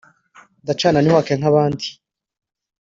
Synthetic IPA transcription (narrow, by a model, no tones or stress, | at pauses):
ndat͡ʃaːnaniwakeŋ̥haβaːndi